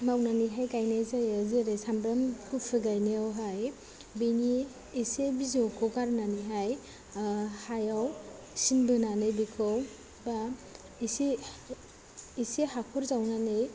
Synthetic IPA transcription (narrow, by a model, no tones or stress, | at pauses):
mawnaniɦajkajnezajaziɾejsambɾamkupʰɯɡajneawɦaj | biniː | sebizɔkʰɔwkaɾnaniɦaj | hajaw | sinbɯnanɯjbikʰɔw | ba | isi | isiɦakʰɔɾzawnanɯj